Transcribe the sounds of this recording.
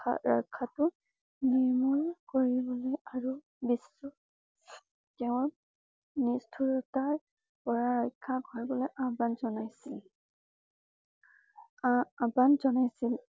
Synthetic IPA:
ɹɔ̰jkʰːatʊ | niɹmulkoɹibɔlɔjaɹu | bisu | teʊ̃ɹ | nistʰuɹɔtaɹ | pɔɹaɹɔjkʰːaɡʱɔɹbɔlɔjʔabanzɔnajsil | abanzɔnajsil

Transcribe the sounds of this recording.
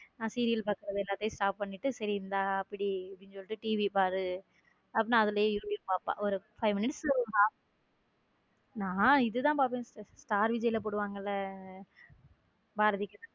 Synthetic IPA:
nãːsiːɾɪjɐlpaːkɯɾɐðɯɛlːaːt̪ːesʈaːp̚pːɐɳːɪʈːɯsɐɾɪɾɯnd̪aːɐpːɐɽiɽɲsɔlːɪʈːɯʈiːʋipaːɾɯ | ɐpːɐnːãːɐðɯlɐjõjɪɾpjupaːpːã̰ːɔɾɯfɐɪmɪnɪʈsːɔɾɐɡãː | nãːɪðɯt̪ãːpaːp̬ẽːsʈaːɾʋɪd͡ʒɐɪlɐpoːɽɯʋaːŋɡɐɪlːɐ | baːɾɐðɪkʲːɐðã

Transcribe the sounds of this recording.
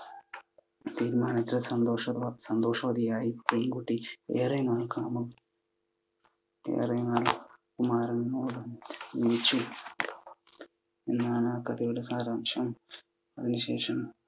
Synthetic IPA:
t̪iːɾmaːnɐt̪ːɐsɐnd̪oːʂɐsɐnd̪oːʂɐʋɐd̪ijaːjipeŋɡuʈːiḛːrɐjnaːlkaːmɐm | ḛːrɐjnaːlkumaːɾɐnnoːlɐnit͡ɕːu | enːaːɳakɐt̪ijuɽɐsaːɾaːmʂɐm | ɐðinɨʃḛːʂɐm

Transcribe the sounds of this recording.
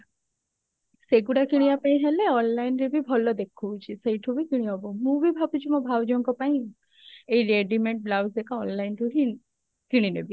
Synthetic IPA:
seɡuɽakiɽ̃iapaĩɦeleɔnlajnɾebibʱɔlɔd̪ekʰowt͡ʃʰisəjʈʰubikiɽ̃iɔbomũʋibʱabud͡ʒimɔ̃bʱawd͡ʒɔŋkɔpaĩ | ejɾeɖimeɳʈ̚blawsekaɔnlajnd̪uɽi | kiɽ̃inebʱi

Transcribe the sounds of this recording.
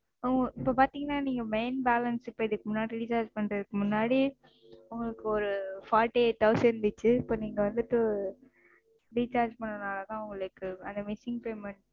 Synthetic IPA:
ʊŋɡɐɪpːoːpaːɾt̪iːŋɡɐnːaːniːŋɡɐmeɪnbaːlɐnsɪpːoːɪðɯkːɯmʊnːaːɽiɾɪt͡ʃaːɾd͡ʒpɐɳɾɐðɯkːɯmʊnːaːɽi | ʊŋɡɐɭɯkːɯɔɾɯfaːɾʈːiʈ̪ːɐʋsɛnnd̪ɯt͡ʃːɯɪpːoːniːŋɡɐʋɐnd̪ɯt̪ːɯ | ɾiːt͡ʃaːɾd͡ʒpɐɳːɐnaːlɐt̪ãːʊŋɡɐɭɯkːɯɐnd̪ɐmɪsɪŋɡpeːmɐɳ

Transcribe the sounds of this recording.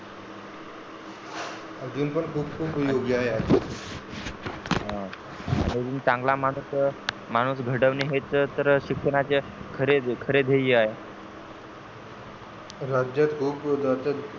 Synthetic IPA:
əd͡ʑuːnpəɳkʰuːp̚kʰuːpjoɡaɦead͡ʑii | ɦã | a̰ñid͡ʑuːnt͡sãŋɡlamaɽ̃uːs | maɽ̃uːsɡʱəɽəʋniɦet͡sət̪əɾɕikʂəɽat͡ɕekʰəɾekʰəɾed̪ʱejiaɦe | ɾad͡ʑjat̪kʰuːpd̪at͡ɕa

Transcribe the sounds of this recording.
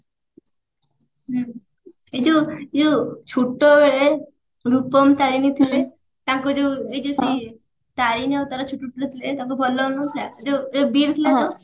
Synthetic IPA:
ɦ | ed͡ʒoed͡ʒot͡ʃʰuʈːɔbeɭe | ɾupɔmt̪aɾinit̪ʰile | t̪aŋkud͡ʒeed͡ʒosi | t̪aɾinawt̪aɾat͡ʃʰuʈːuʈːɾet̪ʰilet̪ãŋkubʱɔlːɔnut̪ʰaed͡ʒoobiɾt̪ʰilat̪o

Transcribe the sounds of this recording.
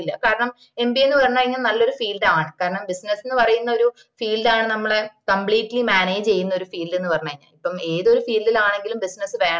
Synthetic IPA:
ilːɐkaːɾɐɳɐm | e̞mbie̞nːɨpɐrɐɲːaːiŋːɐnnɐlːo̞ɾufiːlɖɨaːɳɨkaːɾɐɳɐmbisnɐsːinːɨpɐrɐjunːɐo̞ɾu | fiːlɖaːɳɨnɐmːɐɭekɐmbɭiːʈːlimaːne̞ːd͡ʑt͡ɕe̞jːunːɐoɾufiːlɖenːɨpɐrɐɲːaːiɲːa̰ːipːɐme̞ːðo̞ɾufiːlɖilaːɳe̞ŋɡilumbisnɐsɨʋe̞ːɳ

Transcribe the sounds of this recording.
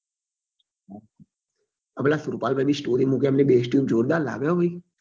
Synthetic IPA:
əplaːsʊɾpaːlbaibʱisʈoːɾimũkeəmnẽbeːsʈjuːmd͡ʒoːɾd̪aːla̰ːɡjobəi

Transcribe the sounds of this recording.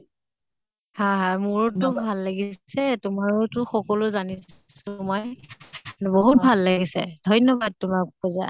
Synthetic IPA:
haɦamuɹɔtʊbʱalːaɡisɛtʊmaɹɔtʊxɔkɔlʊzanisʊmɔj | boɦut̚bʱalːaɡisɛ̰dʱɔjnɔbad̚tʊmak̚bɔza

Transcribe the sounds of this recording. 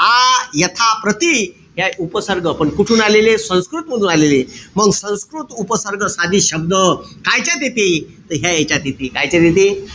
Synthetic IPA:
ajət̪ʰapɾət̪i | ɦjaupəsəɾɡəpəɳkuʈʰuːnalelesə̃w̃skɾut̪məd̪ʱuːnaleleməɡsə̃w̃skɾut̪upəsəɾɡəsad̪ʱiːɕəbd̪əkajt͡ɕat̪̬et̪it̪əɦjaet͡ɕat̪et̪ikajt͡ɕat̪et̪i

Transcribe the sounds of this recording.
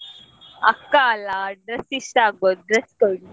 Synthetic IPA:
ɐkːaːlaːɖɾɐsiʃʈaːɡɔd̪ɾɐskɐ

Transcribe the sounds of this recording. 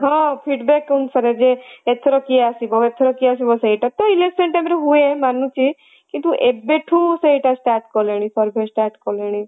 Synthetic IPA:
ɦɔ̃pʰiɖbɛkːunsəɾed͡ʒeet̪ʰːɾɔkiasibɔet̪ʰːɾɔkias̬ibɔseiʈat̪ɔilesseɳʈamɾeɦuemanũt͡ʃʰi | kit̪uʔebeʈʰũseiʈasʈaːɾʈkɔleɽ̃ipɔɾbʱesʈaːɾʈkɔleɽ̃i

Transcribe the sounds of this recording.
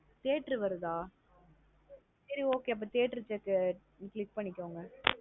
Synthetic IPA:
t̪eːʈɾɯʋɐɾɯðaː | sɐɾioːkeːɐp̬ːɐːt̪eːʈːɪɾɯt͡ʃːɐkːɯ | kɭɪk̚pɐɳːɪkʲːoːŋɡɐ

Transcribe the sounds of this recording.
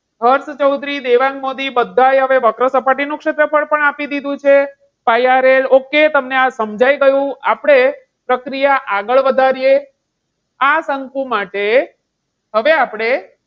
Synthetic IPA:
ɦəɾst͡ʃəwd̪ʱɾid̪eʋãŋɡmod̪ibəd̪ʱːajɦəʋeʋəkɾəsəpaʈinũkʂet̪ɾəpʰəɭpəɳapid̪id̪ʱũt͡ʃʰe | pajaɾeloket̪əmneasəmd͡ʒʱajɡəjũapɽ̃e | pɾəkɾijaʔaɡəɭʋəd̪ʱaɾije | asəŋkũmaʈe | ɦəʋeapɽ̃e

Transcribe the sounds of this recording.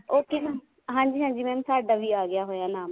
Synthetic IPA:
oːkɪna | ɦãːɲd͡ʒiːɦãːɲd͡ʒiːmɛ̃mːsaːɖaːʋiːaːɡɪjaːɦoːjaːnaːm

